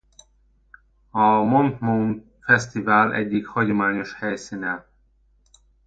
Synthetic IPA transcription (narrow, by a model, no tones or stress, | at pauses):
ɒmont̪mun | fɛst̪ivælɛ̰ɟːikhɒɟomaːɲoʃhɛjsinɛ